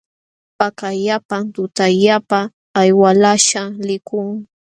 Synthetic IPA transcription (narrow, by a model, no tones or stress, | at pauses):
pakaʎapant̪ʊt̪aʎapaː | jwalaʃalɪkʊŋ